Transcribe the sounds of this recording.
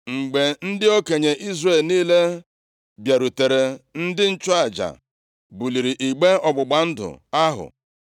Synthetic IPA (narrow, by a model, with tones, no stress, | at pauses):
ŋ͡m̩˨ɡ͡be˨n̩˦dɪ˦o˦ke˨ɲe˨ʔi˦zre˦˨lniː˦le˦ | bja˨ɾu˨te˨ɾe˨n̩˦dɪ˦n̩˦t͡ʃʊ˦a˨d͡ʒa̰˨ | bu˨li˨ɾi˨ʔi˨ɡ͡be˦ɔ˨ɡ͡bʊ˨ɡ͡ba˨n̩˦dʊ̰˨a˦ɦʊ̰˨